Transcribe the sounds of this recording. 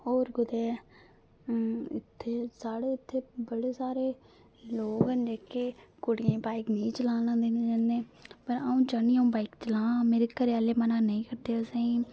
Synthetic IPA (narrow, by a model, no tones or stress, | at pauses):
ɦoːɾɡʊd̪ɛː | ɪ̰t̪ʰːeːsaːɽeːɪt̪ʰːeːbəɽeːsaːɾeː | loːɡənd͡ʒeːkeːkʊɽɪjẽːbaːɪknĩːt͡ʃəlãːnãːd̪eːned͡ʒãːnẽːpəɾaũːt͡ʃaːnĩːaːũːbaːikt͡ʃəlãːmeːɾeːkəɾaːleːmənaːnəĩːkəɾd̪eːəsẽːĩː